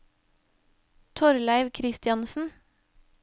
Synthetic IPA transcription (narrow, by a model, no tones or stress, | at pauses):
t̪ʰɔɾlæɪʋkʰɾɪst̪ɪɑnsn̩